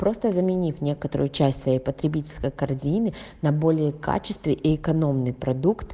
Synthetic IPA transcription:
pɾo̞st̪əzəmʲɪnʲifnʲe̞kət̪əɾʊ̰jʊt͡ɕæsʲtʲsvɐjejpət̪ɾʲɪbʲitʲɪlʲskəjkɐrzʲinɨnɐbo̞lʲɪjəka̰t͡ɕɪ̥st̪vʲɪʔiːkɐno̞mnɨjpɾɐd̪ukt̪

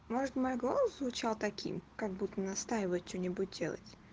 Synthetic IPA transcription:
mo̞ʐət̪mojɡolˠəszvʊt͡ɕalˠt̪ɐkʲʰḭmkaɡ̚but̪ːənɐst̪ajɪvəjt̪̚t͡ɕonʲɪbut̚ʲdʲe̞lˠə̰tʲ

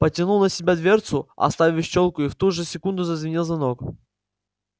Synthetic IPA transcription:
pətʲɪnulˠnəsʲɪbʲad̪vʲert̪sʊɐ̰st̪avʲɪɕt͡ɕolˠkʊift̪uʐɨsʲɪkund̪ʊzəzvʲɪnʲilˠzvɐnok

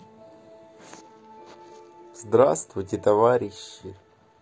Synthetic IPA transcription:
zd̪ɾast̪vʊjtʲɪt̪ɐvaɾʲɪɕːɪ

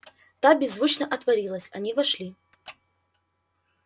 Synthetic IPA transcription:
t̪abʲɪzːvut͡ɕnɐʔɐt̪vɐɾʲilˠəsʲɐnʲivɐʂlʲi

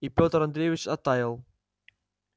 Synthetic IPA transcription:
ipʲot̪əɾɐnd̪ɾʲejvʲit͡ɕɐt̪ːajɪlˠ

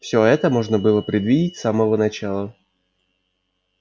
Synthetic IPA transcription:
fsʲo̞ɛt̪əmo̞ʐnəbɨlˠəpɾʲɪd̪vʲidʲɪtʲsaməvənɐt͡ɕalˠə

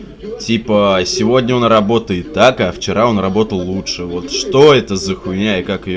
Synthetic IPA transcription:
tʲipəsʲɪvo̞dʲnʲəonrɐbo̞t̪əjɪt̪ːakaft͡ɕɪɾʔao̞nrɐbo̞t̪əlˠːutʂɨvo̞t̪ʂt̪o̞ɛt̪əzəxʊnʲaɪkakɪj

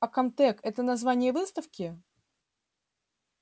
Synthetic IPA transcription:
ɐkɐmt̪ɛkɛt̪ənɐzvanʲɪjəvɨst̪əfkʲɪ

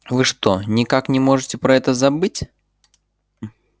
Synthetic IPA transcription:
vɨʂt̪o̞nʲɪkaknʲɪmo̞ʐɨtʲɪpɾɐɛt̪əzɐbɨtʲ

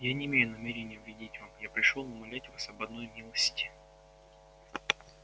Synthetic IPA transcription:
janʲɪːmʲejʊnɐmʲeɾʲɪnʲɪjəvʲɪdʲitʲvamjapɾʲɪʂlˠolˠʊmɐlʲætʲvasɐbɐd̪no̞jmʲilˠəsʲtʲɪ̥

